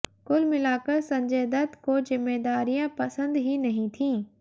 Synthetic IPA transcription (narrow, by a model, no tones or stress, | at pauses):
kʊlmɪlaːkəsɐ̃ɲd͡ʑeːd̪ət̪koːzɪmːeːd̪aːɾijãpɐsə̃nd̪ɦinɐɦĩt̪ʰĩː